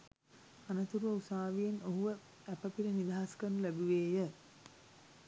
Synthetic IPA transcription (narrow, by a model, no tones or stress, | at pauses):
anət̪uɾuʋəusaːʋijenoɦuʋə | æpəpiɾənid̪aɦaskənːulæbuʋeːjə